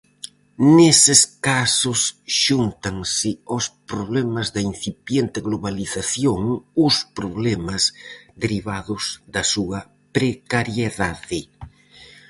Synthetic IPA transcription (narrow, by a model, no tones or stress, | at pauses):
nesɪskasʊsʃunt̪aŋsɪospɾoβlɛmazðɐin̟θipjent̪ɪɣloβaliθaθjoŋʊspɾoβlɛmɐzd̪eɾiβaðʊzðɐsuɐ | pɾekaɾjeðaðɪ